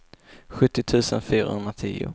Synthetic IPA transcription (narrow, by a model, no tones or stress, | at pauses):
ɧɵt̪ːɪt̪ʰʉ̟ːsənfyːɾa̰hɵnd̪ɾat̪ʰḭːʊ̰